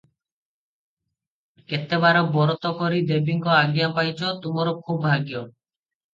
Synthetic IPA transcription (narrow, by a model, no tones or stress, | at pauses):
ket̪ebaɾɔbɔɾɔt̪ɔkɔɾid̪ebiŋkɔaɡjapajt͡ʃʰɔt̪umɔɾɔkʰubbʱaɡijɔ